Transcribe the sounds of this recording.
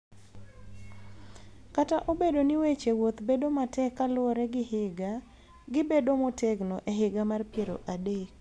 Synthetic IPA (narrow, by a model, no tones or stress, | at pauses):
kataʔobedonɪwet͡ʃewot̪bedomatʰɛkːalɾɛɡɪhɪɡa | ɡɪbedomoteɡnoʔeɦɪɡamarpjeɾo̰ʔadek̚